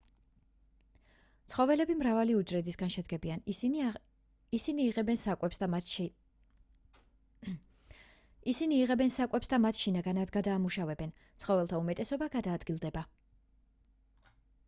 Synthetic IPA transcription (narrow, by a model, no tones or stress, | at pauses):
t̪sʰχɔvɛlɛbimɾavaliud͡ʒɾɛd̪isɡanʃɛd̪ɡɛbian | isiniːʁɛbɛnsakʼwɛps | isiniːʁɛbɛnsakʼwɛpsd̪amat̪ʃinaɡanad̪ɡad̪aːmuʃavɛbɛn | t̪sʰχɔvɛlˠt̪ʰaumɛt̪ʼɛsɔbaɡad̪aːd̪ɡilˠd̪ɛba